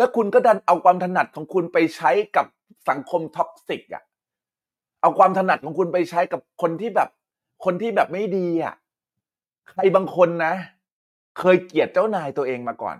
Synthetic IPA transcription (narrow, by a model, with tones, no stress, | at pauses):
lɛ˦˥kʰu˧nkɔː˥˩da˧nʔa˧wkʰwaː˧mt̪ʰa˧na˨˩t̪̚kʰɔː˩˦ŋkʰu˧npa˧jt͡ɕʰa˦˥jka˨˩p̚ | sa˩˦ŋkʰo˧mt̪ʰɔ˦˥k̚si˨˩k̚ʔa̰˨˩ʔ | ʔa˧wkʰwaː˧mt̪ʰa˧na˨˩t̪̚kʰɔ˩˦ŋkʰu˧npa˧jt͡ɕʰa˦˥jka˨˩p̚kʰo˧nt̪ʰiː˥˩bɛː˨˩p̚ | kʰo˧nt̪ʰiː˥˩bɛː˨˩p̚ma˥˩jdiː˧ʔa̰˨˩ʔ | kʰɾa˧jbaː˧ŋkʰo˧nːa˦˥ | kʰɤː˧jki˨˩ət̪̚t͡ɕa˥˩wnaː˧jt̪u˧ʔeː˧ŋmaː˧kɔ̰ː˨˩n